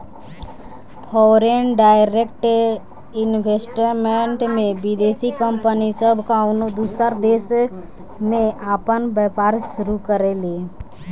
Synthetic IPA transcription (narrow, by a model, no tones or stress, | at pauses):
pʰɔːɾenɖaːɪɾek̚ʈ | ɪnbʱeːsʈəɾmeɳʈmẽbɪd̪eːsikəmpənisəbʱkaʊnud̪usəɾd̪eːs | mẽʔaːpənbɛpaːɾʃʊɾukəɾelie